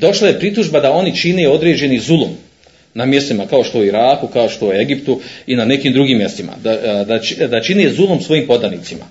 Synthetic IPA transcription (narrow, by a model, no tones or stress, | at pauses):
d̪o̞ʃlaje̞pɾit̪uʒbad̪ao̞nit͡ʃineo̞d̪ɾe̞ːd͡ʑe̞nizulˠom | namje̞st̪imakao̞ʃt̪o̞uiɾaːkukao̞ʃt̪o̞ue̞ɡipt̪uinane̞kiːmd̪ɾuɡiːmːje̞st̪ima̰d̪ad̪at͡ʃd̪at͡ʃinezulˠomsʋo̞jiːmpo̞d̪anit̪sima̰